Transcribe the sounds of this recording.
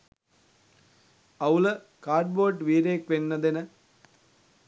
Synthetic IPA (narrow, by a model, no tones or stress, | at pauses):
ɐwlə | kaːɾɖ̚boːʈʋiːɾeːkʋenːɐd̪enə